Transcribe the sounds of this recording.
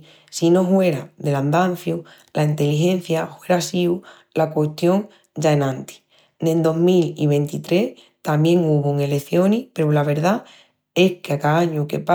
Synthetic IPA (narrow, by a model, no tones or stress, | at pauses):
sino̞ɦwe̞ɾaðeland̪an̟θju | laint̪e̞liɦe̞n̟θjahwe̞ɾasiu | lakweht̪jo̞ŋ | d͡ʒaenãnt̪i̥ | d̪end̪o̞ɦmilḭβ̞e̞nt̪it̪ɾe̞h | t̪amje̞ŋuβoŋe̞le̞θjo̞nipe̞ɾulaβe̞ɾða | e̞hkeakaaɲuke̞̰pa